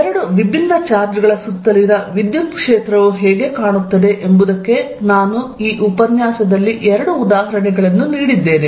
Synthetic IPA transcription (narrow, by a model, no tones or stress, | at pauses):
ɾɐɽuʋibʱinːɐt͡ʃaːɾd͡ʒ̪ɾɐɡɐɭɐsut̪ːɐliɾɐʋid̪jumpkʂeːt̪ɾɐʋuɦɛːɡe̞kaːɳut̪ːɐd̪e̞ʔembud̪ɐkːe̞ | naːnuiːʔupɐnjaːsɐd̪ɐlːiʔɛɾɐɽuːd̪aːɦɐɾɐɳɛɡɐɭɐnːuniːɽid̪ːe̞ːne